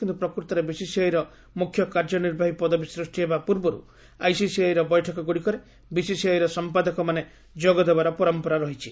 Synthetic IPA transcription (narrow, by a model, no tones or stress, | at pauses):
kint̪upɾɔkuɾt̪ɔɾebisisiajɾɔ | mukʰːjɔkaɾd͡ʒɔniɾbʱaɦipɔd̪ɔbisɾusʈiɦebapuɾbɔɾṵ | ajsisiajɾɔbɔjʈʰɔkɔɡuɽikɔɾe | bisisiajɾɔsɔmpad̪ɔkɔmane | d͡ʒɔɡɔd̪ebaɾɔpɔɾɔmpɔɾaɾɔɦit͡ʃʰi